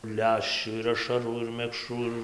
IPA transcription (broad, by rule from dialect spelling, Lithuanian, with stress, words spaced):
ˈlʲæːʃʲt͡ʃʲuː ɪr ɐʃɐˈruː ɪr mʲɛkˈʃruː ɪr